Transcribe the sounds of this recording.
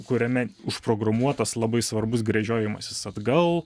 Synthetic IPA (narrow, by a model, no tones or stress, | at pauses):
kʊɾʲɛmʲɛʊʃpɾoːɡɾɐmuɔt̪ɐslˠɐbɐɪsʋɐɾbʊsɡɾʲɛʒʲoːjɛmɐsʲɪsɐd̪ɡɐlˠ